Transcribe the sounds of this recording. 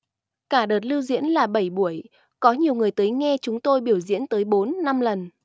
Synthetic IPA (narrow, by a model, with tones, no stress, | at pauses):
kaː˧˩ɗəː˨˩t̚lɨ˧wzḭ˧˥ənlaː˨˩ɓə˧˩jɓu˧˩əj | kɔ˨˦ɲi˨˩əwŋɨ˨˩əjt̪əː˨˦jŋɛ˧t͡ɕʊ˨˦ŋ͡mt̪o˧jɓi˧˩əwzḭ˧˥ənt̪əː˨˦jɓo˨˦nːa˧mlə˨˩n